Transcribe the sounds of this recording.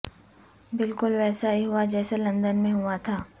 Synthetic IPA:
bɪlkʊlʋɛːsajiɦʊad͡ʒɛːselɐ̃nd̪ənmẽɦʊat̪ʰaː

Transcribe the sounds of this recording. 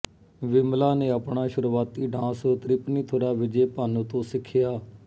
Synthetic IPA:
ʋɪmlaːneːəpɳaːʃʊɾʋaːt̪iːɖãːsoːt̪ɾɪpniːt̪ʰoːɾaːʋɪd͡ʒeːpaːnõːt̪õːsɪkʰːɪjaː

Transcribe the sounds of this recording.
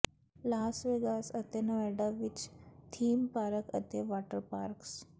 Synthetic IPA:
lasʋeɡasət̪enəʋɛɖaʋit͡ɕt̪ʰiːmpaɾəkə̰t̪eʋaʈəɾpaɾks

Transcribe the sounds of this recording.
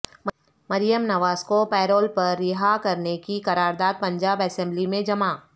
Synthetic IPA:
m | mɐɾijəmnɐʋaːzkopɛːɾoːlpɐɾːɪɦakɐɾnekikɐɾaːɾd̪aːd̪̚pɐ̃ɲd͡ʒaːbɛsɛ̃mblimẽd͡ʒɐmaː

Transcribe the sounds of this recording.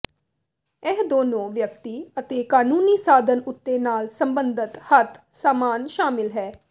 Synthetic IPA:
ɪɦd̪oːnõːʋjəkt̪iːət̪eːkaːnuːniːsaːd̪ʱənʊt̪ːeːnaːlsəmbənd̪ɪt̪hət̪ | saːmaːnʃaːmɪlɦɛː

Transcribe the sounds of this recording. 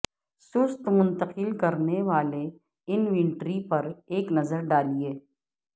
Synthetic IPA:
sʊst̪mʊ̃nt̪əqɪlkɐɾneʋaːle | ɪnʋɛ̃ɳʈɾipɐɾeːknɐzəɾɖaːlieː

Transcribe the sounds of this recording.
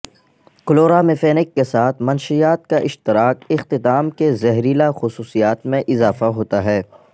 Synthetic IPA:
kʊloːɾamefeːnɪkːesaːt̪ʰmɐnʃijaːt̪̚kaʔɪʃt̪ɪɾaːkɪxt̪ɪt̪aːmkezɛɦɾilaxʊsuːsijaːt̪mẽʔɪzaːfaɦoːt̪aɦɛː

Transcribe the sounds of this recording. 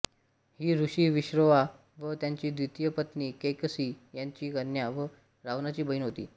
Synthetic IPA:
hiːɾuɕiːʋiɕɾəʋa | ʋət̪jaɲt͡ɕiːd̪ɾit̪jəpət̪niːkejkəsiːjaɲt͡ɕiːkəɾɳjaʋə | ɾaʋnat͡ɕiːbəinɦot̪ḭː

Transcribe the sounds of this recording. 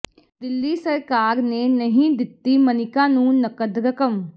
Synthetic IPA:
d̪ɪlːiːsəɾkaːɾneːnəɦĩːd̪ɪt̪ːiːmənɪkãːnũːnəkəd̪ɾəkəm

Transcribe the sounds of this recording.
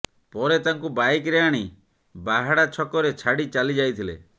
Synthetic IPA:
pɔɾet̪aŋkubajkɾeaɽ̃i | baɦaɽat͡ʃʰɔkɔɾet͡ʃʰaɽit͡ʃalid͡ʒajt̪ʰilḛ

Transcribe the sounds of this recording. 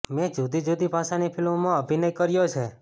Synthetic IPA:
mɛ̃d͡ʒud̪id͡ʒud̪ibʱasanipʰilmːãəbʱinəjkəɾjot͡ʃʰe

